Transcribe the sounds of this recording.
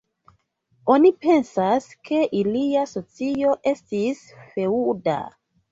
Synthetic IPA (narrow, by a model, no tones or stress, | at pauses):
o̞nipe̞nsaske̞ʔiliaso̞t͡sio̞ʔe̞stis | fe̞uda̰